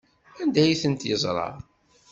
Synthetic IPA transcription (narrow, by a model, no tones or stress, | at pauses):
ænd̪æjiθənt̪jəzˤɾˤɑ̰